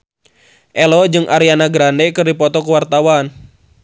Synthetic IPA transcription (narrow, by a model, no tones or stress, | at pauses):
ʔɛlɔd͡ʒɨŋʔaɾianaɡɾandɛkɨrdipɔt̪ɔkuwart̪awan